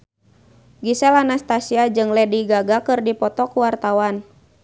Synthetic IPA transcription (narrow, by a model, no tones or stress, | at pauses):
ɡisɛlanast̪asiad͡ʒɨŋlɛdiɡaɡakɨrdipɔt̪ɔkuwart̪awan